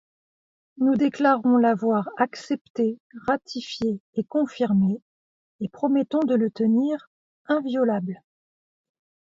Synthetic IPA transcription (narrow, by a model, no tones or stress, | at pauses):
nud̪eklaʁɔ̃lavwaʁaksɛpt̪eʁat̪ʰifjeːkɔ̃fiʁme | epχɔmɛt̪ɔ̃d̪ələt̪əniʁ | ɛ̃vjɔlabl